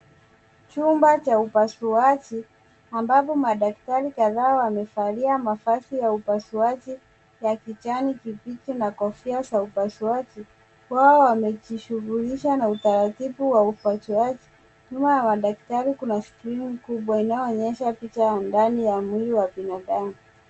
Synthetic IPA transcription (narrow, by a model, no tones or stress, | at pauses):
t͡ʃumbat͡ʃaupasuat͡ʃi | ambapɔmaɗak̚taɾikaðaːwamɛfaliamafasijaupasuat͡ʃi | jakit͡ʃanikipit͡ʃinakɔfiasaupasuat͡ʃi | waɔwamɛt͡ʃiʃuɣuliʃanautaɾatiɓuwaupasuat͡ʃi̥ | ɲumajamaɗak̚taɾikunaskɾinikuɓwainajɔɔɲɛʃapit͡ʃajandanijamwiliwaɓinaɗamu